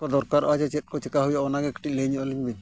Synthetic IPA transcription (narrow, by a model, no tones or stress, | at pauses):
kɔd̪ɔɾkaɾɔad͡ʒɛt͡ʃɛt̪̚kɔt͡ʃɛkaɦujaɔnaɡɛki̥ʈic̚leɲɔʔɔliɲbin